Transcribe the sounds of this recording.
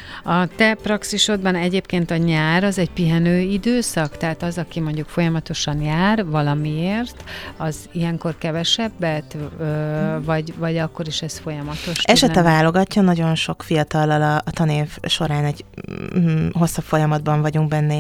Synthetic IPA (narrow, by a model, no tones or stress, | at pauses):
ɒt̪ɛprɒksiʃo̞d̪̚bɒnɛɟeːpkeːnt̪ɒɲaːɾɒzɛɟpiɦɛnøːid̪øːsɒkt̪ɛɦaːt̪ɒzɒkimo̞ɲɟukfo̞jɒmɒt̪o̞ʃɒnjaːrvɒlɒmieːrt̪ɒzijɛŋko̞rkɛvɛʃɛbːɛt̪øːvɒɟvɒɟɒkːo̞ɾiʃɛsfo̞jɒmɒt̪o̞ʃɛʃʃɛɛvaːlo̞ɡɒcːɒnɒɟo̞nʃo̞kfijɒt̪ɒlːɒlɒːt̪ɒneːvʃo̞ɾaːnɛɟ | ɦo̞sːɒpfo̞jɒmɒd̪bɒɱvɒɟuŋɡ̚bɛnːɛ